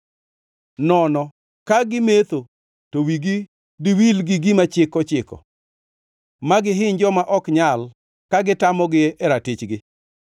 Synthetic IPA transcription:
nɔnɔ | kaɡɪmet̪o | towiɡi | diwilɡiɡimat͡ʃɪkɔt͡ʃɪkɔ̰ | maɡɪɦɪɲd͡ʒɔmaʔɔkɲal | kaɡɪtamɔɡɪʔɛɾatɪt͡ʃɡɪ

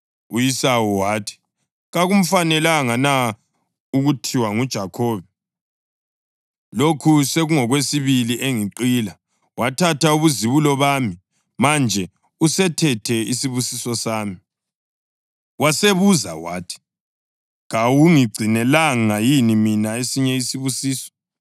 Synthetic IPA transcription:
ujisawuwaːtʰi̥ | ɣaɣum̩fanɛlaŋana | uɣutʰiwaŋud̥ʒ̥ʱakʰɔːβɛ | lokʰuseɣuŋɔɣwesiβiliʔeŋiǃila | watʰatauβuziβulɔβaːmi | mand͡ʒʱɛ | usɛtʰɛtʰɛisiβusisɔsaːmi | waseβuza̰wa̰ːtʰi̥ | ɣawuŋiɡ͡ǀʱinɛlaŋajiniminaesiɲɛisiβusiːsɔ̥

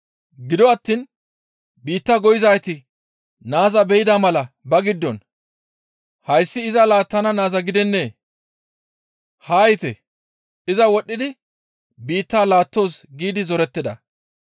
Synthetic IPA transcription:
ɡɪd̪ɔɐt̪ːiːn | biːt̪ːɐɡɔjɪzɐjt̪ɪ | naːzɐbɛjɪd̪amɐlɐbɐɡɪd̪ːɔn | hɐjsːɪːzɐlaːt̪ːɐnɐnaːzɐɡɪd̪ɛnːe̞ː | haːjɪt̪ɛ̰ | ɪzɐwɔɗːɪd̪ɪ | biːt̪ːaːlaːt̪ːo̞ːsɡiːd̪ɪzɔɾɛt̪ːɪd̪ɐ̰

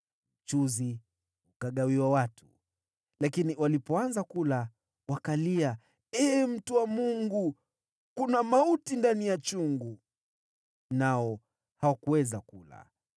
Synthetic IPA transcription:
ut͡ʃuzi | ukaɠawiwawatʰu̥ | lakiniwalipɔanzakula | wakalia | ɛːm̩tuwamuŋɡu | kunamautindanijat͡ʃuŋɡu | naɔ | hawakuwɛzakula̰

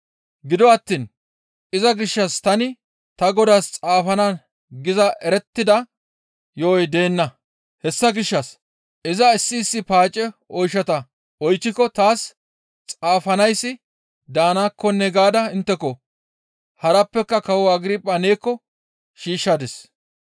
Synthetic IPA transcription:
ɡɪd̪ɔɐt̪ːiːn | ɪzɐɡɪʃːɐst̪ɐnɪ | t̪ɐɡɔd̪aːst͡sʼaːfɐna | ɡɪzɐʔɛɾɛt̪ːɪd̪ɐ | joːjd̪e̞ːnːɐ | hɛsːɐɡɪʃːɐs | ɪzɐɪsːɪːsːɪpaːt͡ʃʼːɛɔjʃɐt̪ɐ | ɔjt͡ʃːɪkːɔt̪aːs | t͡sʼaːfɐnɐjsːɪ | d̪aːnaːkːɔnːɛɡaːd̪ɐɪnt̪ːɛkɔ | hɐɾɐpːɛkːɐkɐwɔɐɡɾiːpʼːɐne̞ːkːɔ | ʃiːʃːɐd̪ɛs

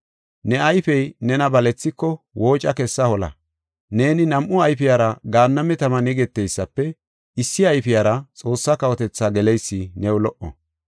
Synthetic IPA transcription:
nɛɐjfɛjnɛnɐbɐlɛt͡sːɪkːɔwo̞ːt͡ʃʼɐkɛsːɐhɔlɐ̰ | ne̞ːnɪnɐmʔʊɐjfɪjaːɾɐɡaːnːɐmɛt̪ɐmɐnɛɡɛt̪ːɛjsːɐpːɛ | ɪsːɪɐjfɪjaːɾɐt͡sʼo̞ːsːɐkɐwɔt̪ɛt͡sːaːɡɛlɛjsːɪnɛʊlɔʔɔ̰

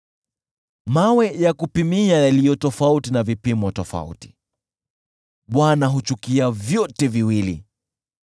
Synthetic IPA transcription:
mawɛjakupimiajalijɔtɔfautinavipimwɔtɔfa̰ṵti̥ | ɓwanaɦut͡ʃukiavjɔtɛviwilḭ

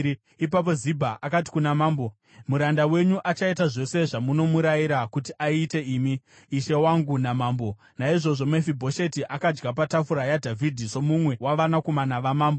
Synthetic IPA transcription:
ipap̬o̞zibʱaʔakat̬i̥kunamaːmbo̞ | muɾandawe̞ɲuʔat͡ʃaitaʐo̞se̞ʐamuno̞muɾajiɾakutiʔaite̞iːmi | iʃe̞waŋɡunamaːmbo̞ | naiʐo̞ʐo̞mefibʱo̞ʃetiʔakad͡ʒɡap̬atafuɾajadʱavʱidʱiso̞mumwe̞waʋanako̞manaʋamaːmbo

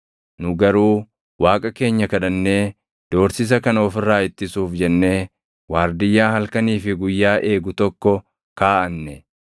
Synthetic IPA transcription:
nʊɡɐɾuː | waːkʼɐke̞ːɲːɐkɐᶑɐnːe̞ː | d̪̥o̞ːɾsɪs̬ɐkɐnɐɔfɪrːaːɪt̪ːɪsuːfd͡ʒɛnːe̞ː | waːɾd̪ɪjːaːhɐlkɐniːfɪɡʊjːaːʔe̞ːɡʊt̪ɔkːɔ | kaːʔɐnːɛ

